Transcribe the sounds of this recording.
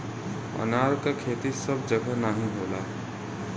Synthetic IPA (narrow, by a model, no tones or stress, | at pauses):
ə̰naːɾkakʰeːt̪isəbʱd͡ʒəɡʱənaɦĩɦoːlaɦ